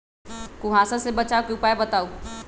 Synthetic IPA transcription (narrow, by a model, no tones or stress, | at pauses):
kuɦaːsãsebɐt͡ʃaːokeupaːebət̪aːu